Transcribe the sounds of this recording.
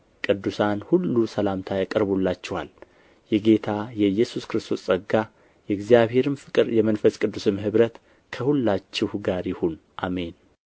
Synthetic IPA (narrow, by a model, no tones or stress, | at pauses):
kʼɨd̪ːusanhulːusəlamt̪ʰajakʼəɾbulːat͡ʃːɛha̰l | jɛɡe̞t̪ʰajɛjːɛsuskɨɾɨst̪ʰo̞sʼəɡːa | jɛɨɡzijaβhe̞ɾɨmfɨkʼɨɾjɛmənfəsʼkʼɨd̪ːusɨmɦɨβɾət̪ | kʰəhulːat͡ʃːɪhɡaɾjɪhon | ʔa̰me̞n